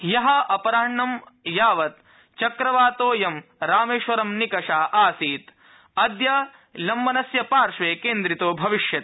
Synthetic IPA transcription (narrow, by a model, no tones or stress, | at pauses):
jɐɦɐʔɐpɐɾaːɳːɐmjaːʋɐt̪̚ | t͡ʃɐkɾɐʋaːt̪oːjɐmɾaːmeːʃʋɐɾɐmnikɐʂaːʔaːsiːt̪ | ɐd̪jɐ | lɐmːɐnɐsjɐpaːɾʂʋeːkeːnd̪ɾit̪oːbʱɐʋiʃjɐt̪